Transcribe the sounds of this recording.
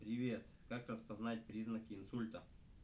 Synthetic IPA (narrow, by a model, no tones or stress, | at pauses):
pɾʲɪvʲet̪ | kakɾəspɐznat̚ʲpɾʲiznəkʲɪːnsulʲt̪ə